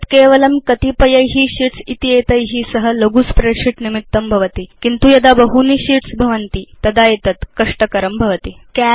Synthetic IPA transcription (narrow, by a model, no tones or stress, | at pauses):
t̪keːʋɐlɐmkɐt̪ipɐjɐjɦiɕiʈsit̪ijet̪ɐjɦisəɦələɡuːspɾeʂiʈnimit̪ːɐmbʱɐʋɐt̪ikint̪ujɐd̪abɐɦuniɕiʈsbʱɐʋɐnt̪it̪ɐd̪ajet̪ɐt̪kɐʂʈəkɐɾɐmbʱɐʋət̪i | kæ